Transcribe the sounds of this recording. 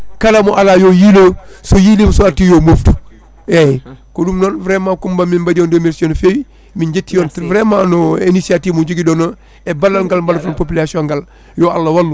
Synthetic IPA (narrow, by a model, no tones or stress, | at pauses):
kalamoʔalajojilosojilimsoaɾtijoːmoftu̥ | ekodumnoːnvɾemakumbamimbadioːndomiɾsioːnfej | miɲɟetːijoːntvɾemanoenisiatiːud͡ʒuɡidono | ebalːalŋɡalmbalfonpopilasiõŋɡal | joalːawalːu